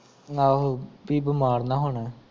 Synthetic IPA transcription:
aːɦobiːbɪmaːɾnãːɦoːɳɛː

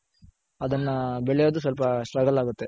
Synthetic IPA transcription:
ɐd̪ɐnːɐbɛɭɛjoːd̪us̬ʋɐlp̬ɐsʈɾɐɡɐlaːɡut̪ːe̞

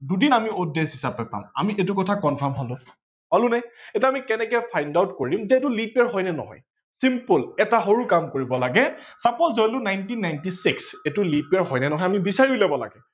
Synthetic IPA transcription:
dudinamiodːesɦisapɛpa̰mamiʔetʊkɔtʰakɔnpʰamɦɔlʊ | ɦɔlʊnɛɛtɛamikɛnɛkɛpʰajndawtkoɹimzɛetʊlipaɹɦɔjnɛnɔ̰ɦɔ̰j | simpulɛtaɦoɹukamkoɹibɔlaɡɛsapɔzzɔjlʊnajntinːajntisiksetʊlipaɹɦɔjnɛnɔɦɔjamibisaɹiulɛbɔla̰ɡɛ

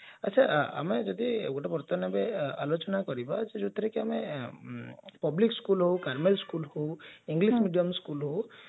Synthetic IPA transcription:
at͡ʃʰaa̰med͡ʒɔd̪iɡoʈapɔɾt̪ɔnabealot͡ʃɔnakɔɾibad͡ʒed͡ʒɔt̪ʰiɾekiame | pɔblikskulɦowkaɾmelskulhowiŋɡlismiɖiɔmskulɦow

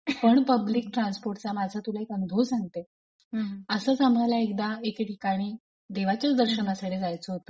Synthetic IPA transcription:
pəɳpəbliːk̚ʈɾãnspoɾʈt͡samad͡zʱat̪ulaɦekənud̪ʱosaŋɡ̚t̪e | əsəːt͡samɳalaek̚d̪aekʈikaɽ̃iː | d̪eʋat͡ɕət͡sd̪əɾɕənasaɽed͡zajt͡səɦot̪o

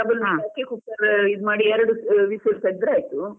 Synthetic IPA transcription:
ɐbɐlaːjaːkːekupːɐɾid̪maːɽiɛɾɐɽuʋiːsilsɐɡ̚d̪ɾeaːjt̪u

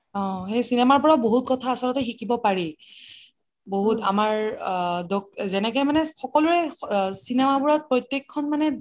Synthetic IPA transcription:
ɔ̃xejsinɛmaɹpɔɹaboɦut̚kɔtʰaːsɔlɔtɛxikibɔpaɹi | boɦuta̰maɹdɔkzɛnɛkɛjmanɛxɔkɔlʊɹɛsinɛmabuɹɔt̚pɹɔjtjekʰːɔnmanɛ

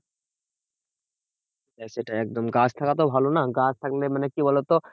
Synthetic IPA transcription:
taseʈaɛk̚d̪omɡãt͡ʃʰt̪ʰakat̪̬obʱalonaɡãt͡ʃʰt̪ʰaklemanekibʱɔlot̪o

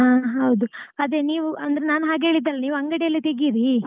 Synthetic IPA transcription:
aːɦɐwd̪uɐd̪e̞ːniːʋuɐnd̪ɐɾenaːnuɦaːɡe̞ːɭid̪ːaːlːɐniːʋuɐŋɡɐɽejɐlːit̪eɡiɾi

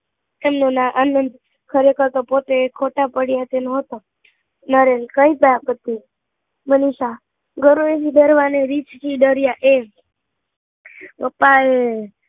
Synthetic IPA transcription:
emnonãʔanənd̪ | kʰəɾekəɾt̪opot̪ekʰoʈapəɽjat̪enoɦət̪o | nəɾenkəipəakət̪i | məniʃa | ɡəɾoet̪id̪əɾʋaneɾit͡ʃt͡ʃʰiɖ̪əɾjaʔe | ʋəpae

